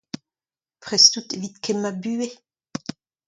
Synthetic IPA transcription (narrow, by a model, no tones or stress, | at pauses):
pχɛstut̪evit̪kʰɛmabyːe